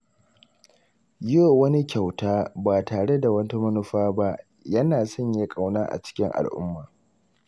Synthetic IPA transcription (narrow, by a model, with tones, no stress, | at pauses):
jo˦˨wɐ˦ni˦kʲa˨wtaː˦baː˨taː˨ɽe˦da˨wɐ˦ta˦mɐ˦nʊ˦ɸaː˦ba˦ʔ | jɐ˦naː˨sɐ˦˨ɲja˦kʼa˨wnaː˦ʔa̰˨t͡ʃɪ̥˦kʲɪ˦ŋʔa̰˨lʔʊ̰˦mːaː˨